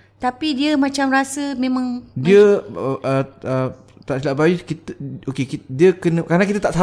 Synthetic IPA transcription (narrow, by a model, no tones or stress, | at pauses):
t̪apidiəmãt͡ʃamrasəmẽmãŋdiəʔəə | t̪aʔsilaʔbajukit̪okekidiəkənə̃kaɾnãk̬it̪ət̪aʔsa